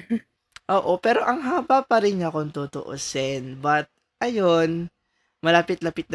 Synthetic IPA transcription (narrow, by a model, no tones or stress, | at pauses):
ʔoːʔo̞pɛːɾo̞ʔɐŋɦaːbapɐɾɪnɲɐkont̪ot̪o̰ʔo̰sɛnbɐt̪̚ | ʔɐjon | mɐlaːpɪt̪̚lapɪt̪̚n